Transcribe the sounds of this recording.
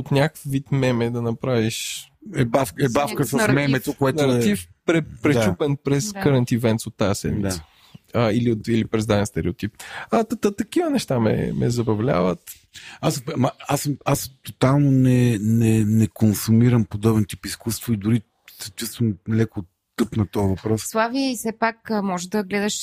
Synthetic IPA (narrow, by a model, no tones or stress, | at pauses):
ot̪nʲakəfvit̪mɛmɛd̪ɐnɐpɾaviʃɛbafkɛbafkəsəmɛmɛt̪okoɛtnɐɾɐt̪ifpɾɛpɾɛd̪t͡ʃupɛnpɾɛskəɾɛnt̪ivɛnt̪sot̪ːasɛ̰nd̪a | əiliot̪ilipɾɛzd̪aðɛnst̪ɛɾiut̪ip̚ɐt̪ət̪ət̪ɐkivənɛʃt̪amɛ̰mɛ̰zɐbɐvlʲa̰vət̪ | asmɐasmast̪ot̪alˠnonɛnɛnɛkonsumiɾəmpod̪ɔbnt̪ipiskust̪void̪ʊɾi | sɐ̥t͡ʃust̪vəmlɛko | t̪əpnɐt̪ɔəvɐpɾɔsslˠaviəisɛpakmɔʒd̪ɐɡlɛd̪ɐʃ